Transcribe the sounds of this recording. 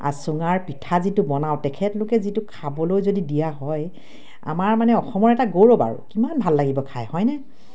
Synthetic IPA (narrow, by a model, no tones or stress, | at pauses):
a̰sʊŋaɹpitʰazitʊbɔnawtɛkʰɛtlʊkɛzitʊkʰabɔlojzodidijaɦɔj | a̰maɹmanɛɔxɔmɔɹɛtaɡowɹɔba̰ɹṵkimanbʱalːaɡibɔkʰajhɔjnɛ